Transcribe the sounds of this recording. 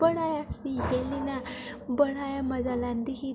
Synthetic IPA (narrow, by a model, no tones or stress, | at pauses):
əɽajasiɦelinabəɽ̤ajaməd͡zaland̪iki